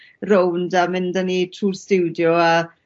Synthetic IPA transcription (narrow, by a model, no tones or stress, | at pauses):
rowndamɪndənitʰruːrstɪwdjɔa